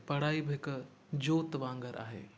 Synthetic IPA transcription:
pɐɽ̤aːibʱɪk | d͡ʑoːt̪ʋãːŋɡəɾʔa̰ːɦḛː

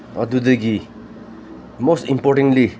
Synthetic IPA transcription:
ʌ̰d̪ud̪eɡi | mostĩmpɔʈĩŋli

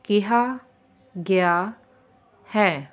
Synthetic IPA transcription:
kɪɦa | ɡeja | hɛː

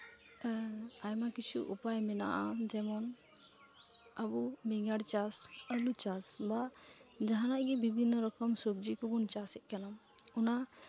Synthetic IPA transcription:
ajmakit͡ʃʰṵʔupajmɛna̰ʔad͡ʒɛmɔn | əbumɛŋaɽt͡ʃasəlut͡ʃasbad͡ʒaɦanaʔɡɛbibʱinːɔɾɔkɔmsɔb̚d͡ʒikɔbunt͡ʃasɛʔ̚kanam | ɔna

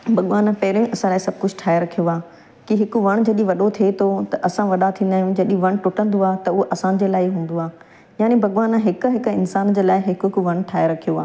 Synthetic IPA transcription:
bʱɐɠʋaːnpɐɦɪɾõʔɐsãlaːɪsɐb̚ʱkʊd͡ʑʱʈʰaːeɾɐkʰijoaː | kiɦɪkʊʋɐɽ̃d͡ʑɐɗĩʋɐɗot̪ʰiet̪ʰot̪ɐʔɐsãʋɐɗat̪ʰĩːnd̪aːjũd͡ʑɐɗĩʋɐɽ̃ʈʊʈə̃nd̪oaːt̪ɐʊɦoʔɐsãd͡ʑeːlaːɪɦũːn̆d̪oaː | jaːnebʱɐɠʋaːnɦɪkʊɦɪkɪnsaːnd͡ʑeːlaːɪɦɪkkʊʋɐɽ̃ʈʰaːeɾɐkʰijoaː

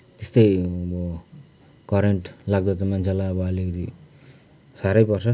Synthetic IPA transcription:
t̪est̪ʌjʌbʌ | kʌɾeɳʈlaɡ̚d̪ʌt̪ʌmant͡sʰalaʌbʌʌlikʌt̪i | saɾʌjpʌrsʰʌ

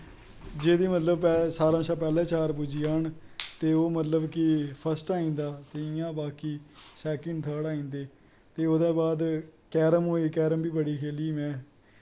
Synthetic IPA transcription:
d͡ʒeːd̪iːmət̪ləbpɛsaːɾãːsaːpɛːlɛ̃ːt͡ʃaːɾpud͡ʒiːaːɳ | t̪eːoːmət̪ləbkɪpʰəsʈaːĩːnd̪aːt̪eːɪjãːbaːkiː | sɛːkəɳɖt̪ʰəːɽaːĩːnd̪eː | t̪eːoːd̪ẽːbaːd̪ | kɛːɾəmɦoːiːkɛːɾəmbiːbəɽiːkʰeːliːmɛ̃ː

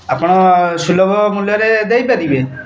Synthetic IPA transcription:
apɔɽ̃ɔsulɔbʱɔmuljɔɾed̪ejbad̪ibe

